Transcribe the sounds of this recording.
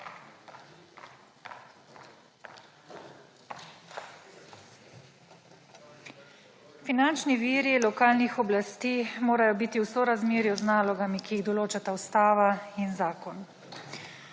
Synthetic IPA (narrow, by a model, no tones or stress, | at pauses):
finant͡ʃniʋiːɾilɔkaːlnixɔblast̪iːmoːɾajɔbiːt̪iwsɔɾazmeːɾjuznaːlɔɡamikijiɣd̪ɔloːt͡ʃat̪awst̪aːʋainzaːkɔn